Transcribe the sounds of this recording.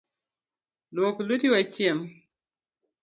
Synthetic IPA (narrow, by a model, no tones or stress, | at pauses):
loːkulutiwat͡ʃːiɛm